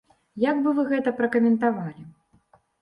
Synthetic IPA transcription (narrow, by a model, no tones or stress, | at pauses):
jaɡbɨvɨɣɛt̪ɐpɾɐkɐmʲɛnt̪avalʲi